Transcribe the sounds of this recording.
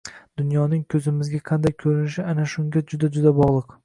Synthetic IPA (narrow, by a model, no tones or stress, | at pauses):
d̪̥ʊnjɒnɪŋkʲʰɵzɪmɪzɡʲaqʰɑnd̪ajkʲʰɵɾɪnɪʃɪanaʃʊŋɡʲad͡ʒʊd̪ad͡ʒʊd̪abɒʁlˠɨq